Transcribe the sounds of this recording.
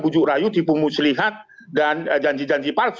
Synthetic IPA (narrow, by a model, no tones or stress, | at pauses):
bud͡ʒuʔɾajut̪ipumusəliɦat̪̚ | dand͡ʒaɲd͡ʒid͡ʒaɲd͡ʒipars